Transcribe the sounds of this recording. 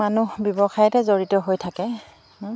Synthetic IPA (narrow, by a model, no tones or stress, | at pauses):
anubjɔbɔxajɛtɛzoɹitɔɦojtʰakɛ